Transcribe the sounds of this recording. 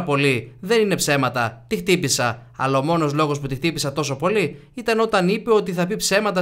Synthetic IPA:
po̞liðe̞nine̞pse̞mɐt̪ɐt̪ixt̪ipisɐɐ̰lɐomo̞no̞zlo̞ɣo̞sput̪ixt̪ipisɐt̪o̞so̞po̞li | it̪ɐno̞t̪ɐnipe̞o̞t̪iθɐpipse̞mɐt̪ɐ

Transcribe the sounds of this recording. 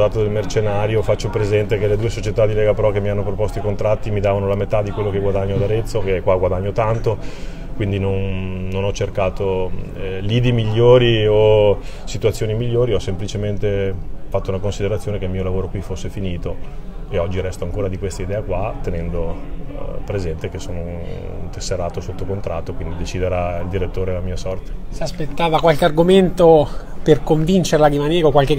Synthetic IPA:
aːt̪od̪elmert͡ʃenaːɾjofat͡ʃːopɾezɛnt̪ekeled̪uːesot͡ʃet̪ad̪ːilɛːɡapɾɔkemːianːopɾopost̪oikont̪ɾat̪ːimid̪aːvanolamet̪ad̪ːikwelːokeɡwad̪aɲːod̪aɾet̪sːokekːwaɡwad̪aɲːot̪ant̪o | kwind̪inonːonɔt͡ʃːerkaːt̪o | liːd̪imiʎːoːɾiosit̪ut̪sːjoːnimiʎːoːɾiɔsːemplit͡ʃement̪efat̪ːounakonsid̪eɾat̪sːjoːnekelmiːolavoːɾokwifosːefiniːt̪oeɔd͡ʒːiɾɛst̪oaŋkoːɾad̪ikwest̪aid̪ɛːakwat̪ːenɛnd̪o | pɾezɛnt̪ek̟esːoːno | ṵnt̪esːeɾaːt̪osot̪ːokont̪ɾat̪ːokwind̪id̪et͡ʃid̪eɾaild̪iɾet̪ːoːɾelamiːasɔrt̪e̥seaspet̪ːaːvakwalkearɡoment̪operkoɱvint͡ʃeɾelaɾimaneːɾokwalke

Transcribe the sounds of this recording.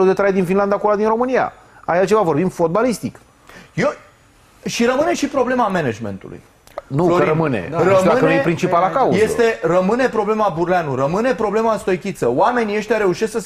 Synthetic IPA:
lud̪et̪ɾajed̪infinland̪akulad̪inɾo̞mɨnija̰ | ajalt͡ʃe̞vavo̞rbimfo̞t̪̚balist̪ik | jo | ʃiɾəmɨne̞ʃipɾo̞ble̞mamened͡ʒme̞̰nt̪ṵlṵj | nuoiɾəmɨnḛrəd̪akənujepɾint͡ʃipalakauje̞st̪e̞rəmɨne̞pɾo̞ble̞mabuɾleanuɾəmɨne̞pɾo̞ble̞maɨnst̪o̞jkʲit̪səoame̞niəʃt̪ʲaɾe̞uʃe̞sksə

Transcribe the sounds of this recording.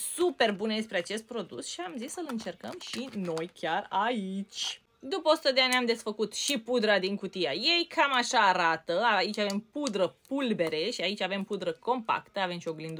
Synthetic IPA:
supe̞rbuneespɾe̞at͡ʃe̞st̪̚pɾo̞d̪ṵsʃiamzisːəlɨnt͡ʃe̞rkəmʃino̞jkʲjarait͡ʃʲ | d̪upəosut̪əd̪e̞anʲamd̪e̞sfəkut̪ʃipud̪ɾad̪iŋkut̪ijaje̞jkʰamaʃaːɾat̪əait͡ʃʲave̞mpud̪ɾəpulbe̞ɾe̞ʃiait͡ʃʲave̞mpud̪ɾəko̞mpa̰kt̪əave̞mʃio̞ɡlind̪u

